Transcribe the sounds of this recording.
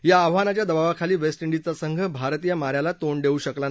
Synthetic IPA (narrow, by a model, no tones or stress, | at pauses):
ɦjaːʋanat͡ɕjad̪əbaʋakʰaliːʋesʈiɳɖit͡sasəŋɡʱəbʱaɾt̪ijamaɾjalat̪oɳɖeuːɕəklan